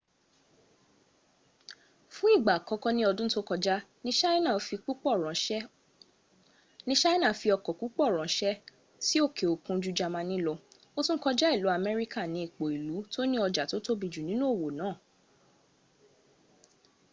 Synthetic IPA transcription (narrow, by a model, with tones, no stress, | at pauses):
fũ˦i˦˨ɡ͡ba˨kɔ˧˦kɔ˦nĩ˦ɔ˧dũ˦to˦kɔ˧d͡ʒa˦nĩ˦ʃa˦i˦nã˦˨˦fi˧k͡pu˦k͡pɔ˦˨ɾ̃ɔ̃˨ʃɛ˦ | nĩ˦ʃa˦i˦nã˦˨˦fi˧ɔ˧kɔ˨ku˦k͡pɔ˦˨ɾ̃ã˨ʃɛ˦ | si˦o˦˨kʰe˨o˨kũ˧d͡ʒu˦d͡ʒa˧mã˧nĩ˦lɔ˧ | o˦tũ˦kɔ˧d͡ʒa˦i˦˨lu˨˦a˧mɛ˦ɾi˦ka˦˨nĩ˨˧˦i˦˨k͡po˨i˨lu˨˦to˦nĩ˦ɔ˧d͡ʒa˨to˦to˦bi˨d͡ʒu˨nĩ˨˦nũ˦o˦˨wo˨nãː˨˦˨